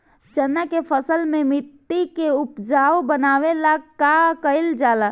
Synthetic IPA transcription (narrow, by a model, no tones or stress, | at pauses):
d͡ʒənːakepʰəsəlmẽmɪt̪ːikeʊpd͡ʒaːobənaːwelakakəɪld͡ʒaːla